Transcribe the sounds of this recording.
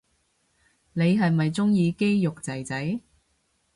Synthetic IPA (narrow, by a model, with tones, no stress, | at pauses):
ne˨˧jɦɐ˨jmɐ˨jt͡sʊ˥ŋjiː˨˧ke˥jjʊ˨k̚t͡sɐ˨˩jt͡sɐ˨˥j